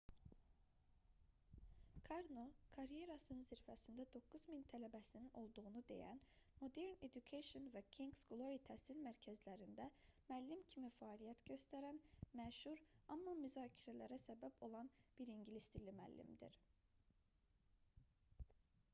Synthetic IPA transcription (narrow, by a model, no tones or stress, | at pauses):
kʰaɾnokʰaɾije̞ɾasɯnziɾfæsind̪æd̪o̞kʰːuzmint̪ʰælæbæsinino̞lˠd̪uɣunud̪e̞̰jæ̰n | mo̞d̪eɾned̪ukʰeʃonvɛcʰiŋɡsɡlˠoɾit̪ʰæsilmæɾcʰæzlʲæɾind̪æmælʲːimcʰimifaːlʲijæt̪ɟø̞st̪ʰæɾænmæʃhuɾamːamyzaːcʰiɾɛlʲæɾæsɛbæpʰo̞lˠɑnb̥iɾiɲɟilʲist̪ilʲimæ̰lʲːḭmd̪ḭɾ̥